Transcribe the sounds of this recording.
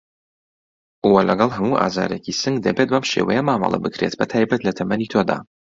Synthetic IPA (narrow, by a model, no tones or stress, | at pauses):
ʔowɐlɐɡɑlˠɦɐmuʔa̰ːza̰ːɾecisɨŋɡd̪ɐbet̪̚bɐmʃḛwɐjɛmaːmɐ̰lˠɐ̰bɨkɾet̪bɐt̪ʰaːjbɐt̪lɐt̪ʰɐmɐnit̪ʰod̪a̰ː